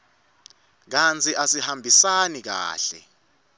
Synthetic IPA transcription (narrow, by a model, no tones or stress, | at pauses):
k̬ant͡sʰʼiʔasihambʱisanik̬a̰ːɬɛ̰